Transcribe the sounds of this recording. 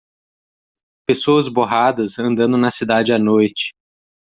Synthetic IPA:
pesoɐzboɦad̪ɐzɐ̃nd̪ɐ̃nd̪ʊnɐsid̪ad͡ʒɪanojt͡ʃɪ̥

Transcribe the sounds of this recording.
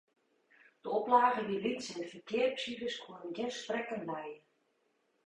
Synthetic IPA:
d̥əɔplaːɣəʋilitsɛndəfərkɪərpsidəskonənɡɛrstrɛkənlɛjə

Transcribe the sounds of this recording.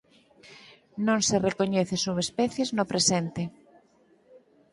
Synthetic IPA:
nõŋserekoɲeθesuβespɛθjeznopɾesɛnt̪ɪ

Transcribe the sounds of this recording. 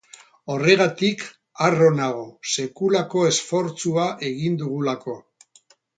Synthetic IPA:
o̞re̞ɣ̞at̪ik | aro̞naɣ̞o̞se̞kulako̞e̞sfo̞ɾt͡suaʔe̞ɣind̪uɣ̞ulako̞

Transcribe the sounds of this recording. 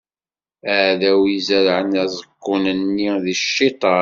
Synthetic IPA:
æʕðæwizæɾʕənæzˤəkːʊnənːiðiʃːit̪ˤɑ

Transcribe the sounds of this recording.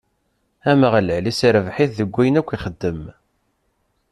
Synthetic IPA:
æməʁələʕlisɾəvħiθðəɡʷːæjənækʷːiχəd̪ːəm

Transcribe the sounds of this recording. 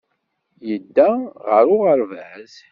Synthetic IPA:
jəd̪ːæʁəɾʊʁəɾvəz

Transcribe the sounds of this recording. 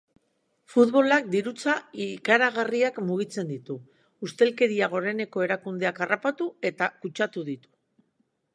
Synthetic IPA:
fut̪βo̞lak̚d̪iɾut͡saikaɾaɣ̞ariakmuɣ̞it͡se̞nd̪it̪uː | st̪e̞lke̞ɾiaɣ̞o̞ɾe̞ne̞ko̞e̞ɾakund̪e̞akarapat̪ue̞t̪akut͡ʃat̪uðit̪u̥

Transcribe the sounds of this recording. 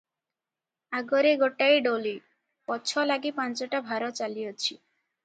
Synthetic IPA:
aɡɔɾeɡoʈajɖoli | pɔt͡ʃʰɔlaɡipant͡ʃɔʈabʱaɾɔt͡ʃalijɔt͡ʃʰi

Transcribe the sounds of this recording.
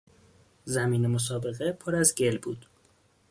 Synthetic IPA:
zæmiːnemos̬ɒːbe̞ɣepʰoɾæzɟe̞lbuːd̪̥

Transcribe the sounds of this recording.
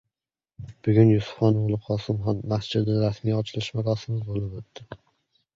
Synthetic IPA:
b̥ʊɡʲʊnjʊsʊ̥fɒnʊlˠɪqʰɒsɪmɦɒnmasd͡ʒɪd̪ɪnɾasmijɒt͡ʃʰɪlɪʃmaɾɒsɪmɪzbolˠɪpot̪ːɪ

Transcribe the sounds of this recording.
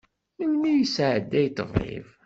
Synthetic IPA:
məlmijəsʕəd̪ːæjt̪ːə̰vḛv

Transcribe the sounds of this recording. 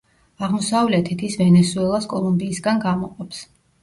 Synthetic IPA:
aʁmɔsavlɛt̪ʰit̪ʰisvɛnɛsuɛlˠaskʼɔlˠumbiːsɡanɡamɔqʼɔps

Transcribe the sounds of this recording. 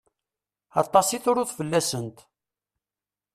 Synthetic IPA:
ɑ̰t̪ˤːɑsiθʊɾʊθfəlːæsənt̪

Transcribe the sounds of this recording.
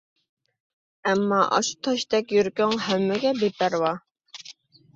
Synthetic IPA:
æmːɑʔɑ̰ʃt̪ʰɑʃt̪ɛkʲjyɾkʲøŋɦæmːɛɡʲɛbepæɾwɑ

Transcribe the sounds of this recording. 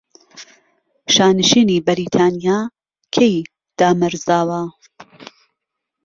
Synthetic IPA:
ʃaːnɨʃiːnibɐɾiːt̪ʰaːnijaː | kʰej | d̪̥aːmɐɾzaːwɐ

